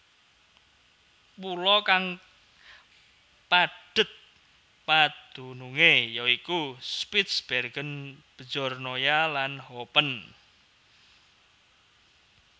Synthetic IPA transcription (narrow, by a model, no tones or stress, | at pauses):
pulɔkaŋ | paɖ̥ə̤t̪̚ | pad̪̥ṳnuŋejɔikuspɪt̪sb̥ɛrɡ̥ənb̥ə̥d͡ʒɔrnojalanhopən